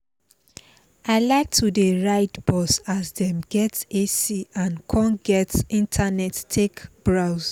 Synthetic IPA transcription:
aɪlaɪk̚tʰudeɹaɪtb̥ɔsasdɛ̃mɡɛtesiãnkʰɔ̃nɡɛtĩntʰanɛtːʰekb̥ɹaʊs

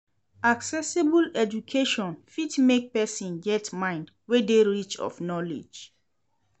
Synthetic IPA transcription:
aksɛsibulɛd͡ʒukʰeʃɔ̃nfitmek̚pɛsĩnɡɛtmãɪ̃nd | wedeɹit͡ʃɔ̰fnɔlḭd͡ʒ

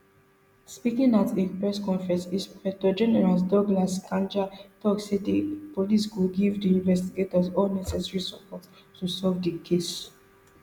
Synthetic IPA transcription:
spikĩŋatʰepɹɛskɔ̃nfɹɛ̃nsispɹɛtɔd͡ʒɛnɛɹas̬dɔɡlaskãnd͡ʒatɔksedepoliskuɡivdiĩnvɛstiɡetɔzɔlnɛsɛsɹisɔpɔt | tːusɔvdəkʰes

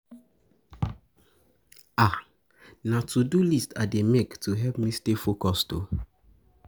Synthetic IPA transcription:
a | natudulistademektʰuɦɛpmistefokɔsto̰

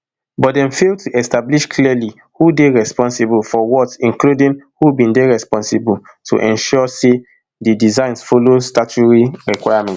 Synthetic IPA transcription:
bɔt̚dɛ̃mfeltʰuʔɛstabliʃkʰlili | hudeɹɛspɔ̃nsibulfɔwɔtĩnkludĩŋhubĩndeɹɛspɔ̃nsibul | tʰṵʔɛ̃nʃɔse | didizãɪ̃nsfolostat͡ʃuɹiɹikwaɪamɛ̃nt

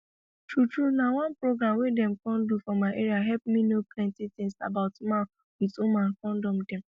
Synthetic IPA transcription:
tɹutɹunawãnpɹoɡɹãmwedɛ̃mkɔ̃ndufɔmaɪʔeɹiaɦɛlpmĩnoplɛ̃ntitĩŋsa̰baʊtma | witũmãnkɔ̃ndɔ̃mdɛ̃m

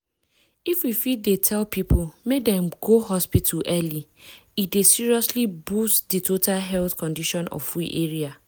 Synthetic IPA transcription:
ifwifit̚detʰɛlpipʰulmedɛ̃mɡoɦɔspitʰuʔɛliidesiɹiɔslibustditʰotalɦɛlθkɔ̃ndiʃɔ̃nɔ̰ffɹiʔeɹia

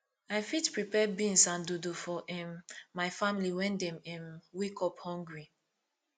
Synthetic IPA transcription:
ajfitpɹipɛbĩnsãndudufɔʔĩmːajfãmiliwɛ̃ndɛ̃mĩnwikɔphɔ̃ŋɡɹi

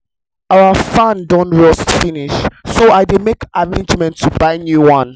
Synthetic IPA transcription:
aʊəfãndɔ̃nɹɔsfiniʃsoaɪdemekʔavɛĩd͡ʒmɛ̃ntʰːubaɪnjuwãn

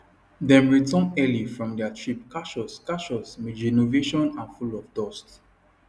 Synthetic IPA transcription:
dɛ̃mɹitʰɔ̃nɛlifɹɔ̃mdɛatʰɹip̚kaʃɔskaʃɔsmidinoveʃɔ̃nãnfulɔvdɔst

